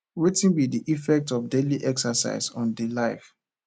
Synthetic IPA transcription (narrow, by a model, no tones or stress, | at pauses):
ɹitĩnbidiʔifɛk̚tɔfdeliʔɛksasa̰ɪzɔ̃ndelaɪf